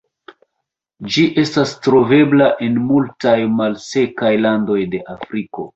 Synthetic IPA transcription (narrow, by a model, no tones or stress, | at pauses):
d͡ʒiʔe̞stastɾo̞ve̞blaʔe̞nmultajmalse̞kajlando̞jde̞ʔafɾiko̞